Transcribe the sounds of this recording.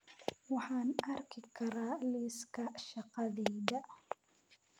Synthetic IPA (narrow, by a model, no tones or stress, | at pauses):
waħanʔaɾˤkikːaɾˤaliːskaʔʃaqaðiːd̪a